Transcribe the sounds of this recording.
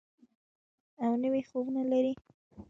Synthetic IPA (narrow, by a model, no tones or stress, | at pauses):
awnəwexowənalaɾi